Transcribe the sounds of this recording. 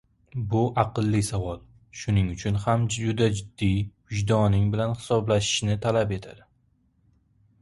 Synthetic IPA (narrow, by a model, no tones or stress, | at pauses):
bʊʔɑqɨlˠːɪsavɒlˠ | ʃʊnɪŋʊt͡ʃʰʊnhamʊd̪ad͡ʒɪd̪ːijhʊd͡ʒd̪ɒnɪŋbɪlanhɪ̥sɒblaʃɪ̥ʃnɪt̪ʰalape̞t̪ʰa̰d̪̥ɪ